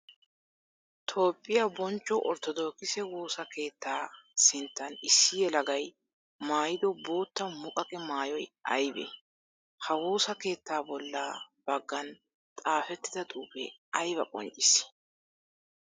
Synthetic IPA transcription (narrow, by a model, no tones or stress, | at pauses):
t̪ʰo̞ːpʼːɪjabɔnt͡ʃʼːɔʔɔɾt̪ɔd̪o̞ːkɪsɛwo̞ːsɐke̞ːt̪ːaːsɪnt̪ːɐnɪsːɪjɛlɐɡɐj | maːjɪd̪ɔbo̞ːt̪ːɐmʊkʼɐkʼɛmaːjɔjʔɐjbɛ̰ | hɐwoːsɐke̞ːt̪ːaːbɔlːaːb̥ɐɡːɐn | t̪ʼaːfɛt̪ːɪd̪ɐt̪ʼuːbɛ̰ɐjbɐkʼɔ̰nt͡ʃʼɪs